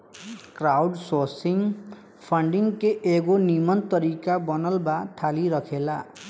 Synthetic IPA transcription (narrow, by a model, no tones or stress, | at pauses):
krawɖsorsiŋ | pʰʌɳɖiŋkeʔeɡonimʌnt̪ʌɾikabʌnʌlbat̪ʰaliɾʌkʰela